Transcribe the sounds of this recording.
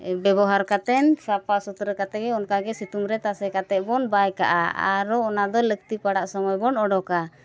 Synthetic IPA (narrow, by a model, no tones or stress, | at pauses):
bɛbɔɦaɾkat̪ɛnsapasut̪ɾəkat̪ɛɡɛɔnkaɡɛsit̪umɾɛt̪asɛkat̪ɛʔ̚bɔnbajka̰ʔa̰a̰ɾɔɔnad̪ɔlək̚t̪ipaɽaʔsɔmɔjbɔnɔɖɔka